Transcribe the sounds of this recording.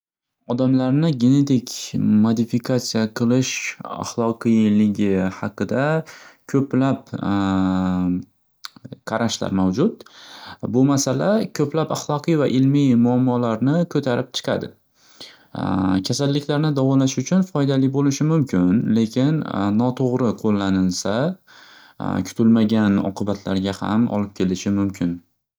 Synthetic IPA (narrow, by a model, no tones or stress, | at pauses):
ɒd̪amlaɾnɪɡʲe̞ne̞t̪ʰɪkʲmod̪ɪfikʰasijaqʰɨlˠɪʃa̰χlˠɒqʰɨjlɪɡʲɪhaqɨd̪akʲʰɵplap | qʰɑɾaʃla̰ɾmawd͡ʒʊt̪bʊmasalakʲʰɵplapaχlˠɒqɨjvaʔɪlmijmʊamːɒlaɾnɪkʰɵt̪ʰaɾɪp̚t͡ʃʰɨ̥qʰa̰d̪ɪ | kʲʰasalːɪkʲʰlaɾnɪd̪avɒlaʃʊt͡ʃʰʊnfɒjd̪alibolɪʃɪmʊmkʲʰɪnle̞kʲʰɪnnɒt̪ʰoʁɾɪqʰolˠːanɪlsa | kʲʰʊ̥t̪ʰɪlmaɡʲanɒ̰qʰɨbat̪ʰlaɾɡʲaha̰mɒ̰lɪp̚kʲʰe̞lɪʃɪmʊmkʲʰɪn